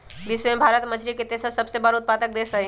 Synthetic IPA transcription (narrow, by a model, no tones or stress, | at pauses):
bisʋẽbʱaːɾət̪məd͡ʒɾiket̪esəsɐbsebəɾaʊt̪̚paːd̪ək̚d̪eːsɐe